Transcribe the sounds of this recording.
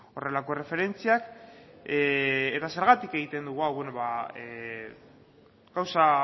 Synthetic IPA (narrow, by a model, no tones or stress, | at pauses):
o̞re̞lako̞re̞fe̞ɾe̞nt͡siak | et̪ase̞ɾɣ̞at̪ike̞ɣ̞it̪e̞nd̪uɣ̞uawβenoβae | ɡawsa